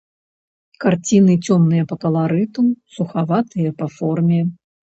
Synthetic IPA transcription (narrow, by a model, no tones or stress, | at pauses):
kart͡sʲinɨt͡sʲɔmnːɨjɐpɐkɐlˠaɾɨt̪usuxavat̪ɨjɐpɐfɔrmʲɛ